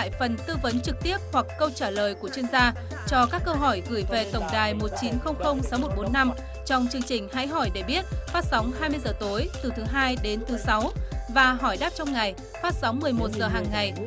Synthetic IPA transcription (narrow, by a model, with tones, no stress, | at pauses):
a̰ː˧˨jfə˨˩nt̪ɨ˧və˨˦nt͡ɕɨ˨˩k̚t̪i˦˥əp̚hwa˨˩kːə˧wt͡ɕaː˧˩ləː˨˩jku˧˩ət͡ɕwi˧ənzaː˧ | t͡ɕɔ˧kaː˦˥kːəː˧wɦɔ˧˩jɣɨ˧˩jve˨˩t̪ə˨˩wŋ͡mɗaː˨˩jmo˨˩t̚t͡ɕi˨˦nxə˧wŋ͡m̚xə˧wŋ͡msa˨˦wmo˨˩t̚ɓo˨˦nːa˧m | t͡ɕɔ˧wŋ͡mt͡ɕɨ˧əŋt͡ɕï˨˩ŋ̟ha̰ː˧˥jɦɔ˧˩jɗe˧˩ɓi˦˥ət̚faː˦˥t̚sa˨˦wŋ͡mɦaː˧jmɨ˧əjzəː˨˩t̪o˨˦jt̪ɨ˨˩t̪ʰɨ˨˦ɦaː˧jɗe˨˦nt̪ʰɨ˨˦sa˨˦wvaː˨˩ɦɔ˧˩jɗaː˦˥p̚t͡ɕɔ˧wŋ͡mŋa˨˩j | faː˦˥t̚sa˨˦wŋ͡mmɨ˨˩əjmo˨˩t̚zəː˨˩ɦaː˨˩ŋːa˨˩j